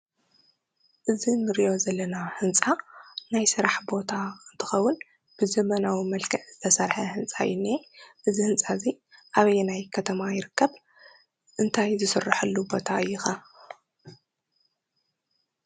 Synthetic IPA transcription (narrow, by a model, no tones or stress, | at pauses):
ʔɨzinɨɾijo̞zɐlːɐnahɨnt͡sʼanajsɨɾaħbo̞t̪ʰaɨnt̪ʰɨ̥xɐwːʊn | b̥ɨzɐmɐnawimɐlkʰɐʕz̥ɨt̪ʰɐsɐɾħɐhɨnt͡sʼa̰jɪneʔɨzihɨnt͡sʼazi | ʔaβɐjnajkʰɐt̪ʰɐmajɪɾɨkʰːɐβ | ʔɨnt̪ʰajzɨsɨrːaħɨlːubo̞t̪ʰaʔɨjːɪxa